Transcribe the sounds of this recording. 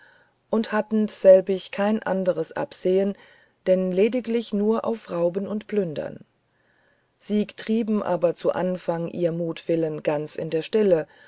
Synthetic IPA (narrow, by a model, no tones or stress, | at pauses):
ʔʊnthatn̩sɛlbɪçkʰaɪnʔa̰ndəʁəsʔa̰pz̥eːən | d̥ɛnleːdɪklɪçnuːɐʔa̰ʊfʁaʊbənʊntplʏndɐ̰n | z̥iːɡətʁ̥iːbm̩ʔa̰ːbɐt͡suʔa̰nfaŋʔḭːɐmuːtv̥ɪlənɡant͡sɪ̰ndeːɐʃtɪlə